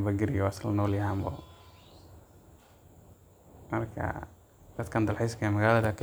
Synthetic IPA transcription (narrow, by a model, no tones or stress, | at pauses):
bɐɡɪɾɪjɔɐslnɔːljɐɦaːmbɔ̰ | mɐrkʰɐ̰ | d̪̥ɐd̪kʰɐnd̪ɐlħɛjskʰɐmɐɣaːlɐðɐkʰ